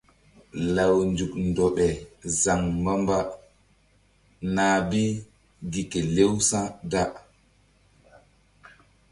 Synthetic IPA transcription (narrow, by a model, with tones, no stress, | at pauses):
la˨wnd͡ʒu˨kndɔ˨ɓɛ˨za˨ŋːa˦mba˦ | naː˨bi˦ | ɡi˨kɛ˨le˦wsã˦da˦